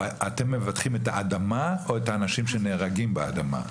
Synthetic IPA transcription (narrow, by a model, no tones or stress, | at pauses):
at̪emːevat̪χimetaʔad̪amao̞et̪aːnaʃimʃe̞neːʁaɡimbea̰d̪ama̰